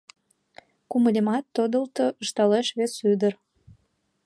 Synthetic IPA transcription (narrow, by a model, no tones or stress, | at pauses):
kuməlʲemɑt̪ːod̪əlt̪oəʃt̪ɑleʃβesyd̪ər